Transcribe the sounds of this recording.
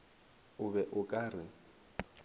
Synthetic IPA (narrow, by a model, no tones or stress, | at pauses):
ʊbɛʔʊkʼarɪ